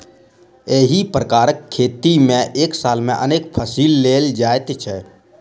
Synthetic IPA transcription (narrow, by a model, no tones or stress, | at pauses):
eːɦipɾəkaːɾəkʰːeːt̪imẽʔeːksaːlmẽʔəneːkpʰəsiːlːeːld͡ʒaːet̪t͡ʃʰɛ